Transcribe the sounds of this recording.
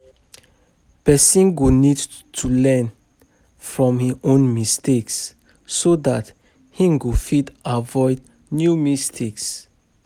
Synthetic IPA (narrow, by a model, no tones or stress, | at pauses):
pɛsĩnɡonid | tʰulɛn | fɹɔ̃mhiõnmistʰeksː | odat | hĩŋɡofidavɔɪd | njumistʰeks